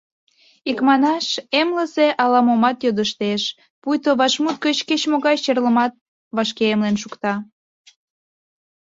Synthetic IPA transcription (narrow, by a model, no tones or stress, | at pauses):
ikmɑnɑʃemləseʔɑlɑmomɑt̪jod̪əʃt̪eʃ | pujt̪oβɑʃmut̪̚ɡət͡ɕket͡ɕmoɣɑjʃerləmɑt̪̚ | βɑʃkeemlenʃukt̪ɑ